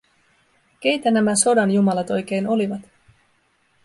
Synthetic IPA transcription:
k̟e̞jt̪ænæmæso̞dɑnjumɑlɑt̪o̞jk̟e̞jno̞liʋɑt̪

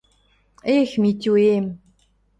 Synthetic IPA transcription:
eːxmit̪ʲuːem

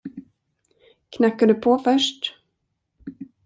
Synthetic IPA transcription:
kʰnakːaɖɵpʰofœʂʈ

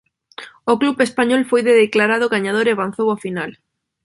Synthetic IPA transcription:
ʊklupespaɲɔlfojðeðeklaɾaðʊɣaɲað̞oɾeaβanθowafinal

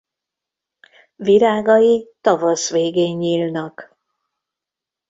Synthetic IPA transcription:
ʋiɾaːɡɒjit̪ɒvɒsʋeːɡeːɲːiːlnɒk

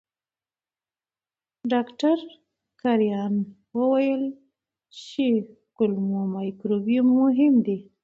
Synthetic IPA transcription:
ɖɑkʈaɾ | kaɾjɑn | wəwajəl | t͡ʃe | kʊlmomajkɾobijumːʊɦɪmd̪e

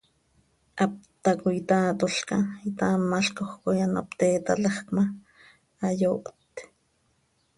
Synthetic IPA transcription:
ap̚t̪akojit̪aːt̪oɬkait̪amːaɬkoxkojana̰pt̪eːt̪alaχkma | ajoːʔt̪

